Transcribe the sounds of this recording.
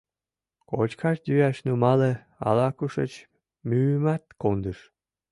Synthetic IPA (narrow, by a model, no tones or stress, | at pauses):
kot͡ɕkʰɑʃd̪yjæʃnumɑlə | ɑ̰lɑkuʃə̰t͡ɕ | myːmæt̪kond̪ɨʃ